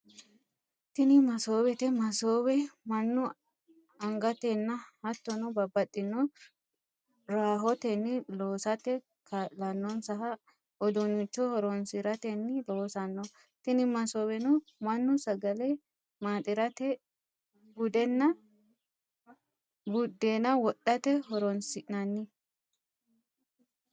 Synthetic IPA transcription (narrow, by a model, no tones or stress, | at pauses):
t̪ɪnɪmɐsoːbɛt̪ɛmɐsoːbɛmɐnːʊ | ɐŋɡɐt̪ɛnːɐhɐt̪ːɔnɔbɐbːɐt̪ʼːɪnːɔ | ɾaːɦɔt̪ɛnːɪloːsɐt̪ɛ | kʰɐlɐnːɔnsɐɦɐ | ɔd̪ɔnʊt͡ʃːɔhɔɾɔnsɪɾɐt̪ɛnːɪloːsɐnːɔ | t̪ɪnɪmɐsɔbɛnʊ | mɐnːʊsɐɡɐlɛ | maːt̪ʼɪɾɐt̪ɛ | ɡʊd̪ɛnːɐ | ɡʊd̪ːeːnɐwɔɗːɐt̪ɛɦɔɾɔnsɪʔnɐnːɪ